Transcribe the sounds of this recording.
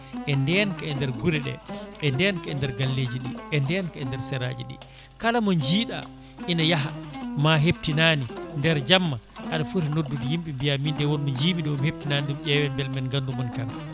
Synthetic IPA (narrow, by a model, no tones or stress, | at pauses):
ʔɛndɛnkaɛndɛɾɡuɾɛɗɛ̰ɛndɛnkaɛndɛɾɡalːed͡ʒiɗiɛndɛnkaɛndɛɾsɛɾa̰ːd͡ʒiɗḭ | kalamɔnd͡ʒiːɗa̰ | ʔinajaɦamaɦeb̚tinaːnindɛɾd͡ʒamːaʔaɗafutanodːudijimɓimbijamindɛwɔnmɔɲd͡ʒiːɓidɛumhep̚tinaːniɗumɗɛwɛmbɛlmɛnɡandumɔnkaŋkḁ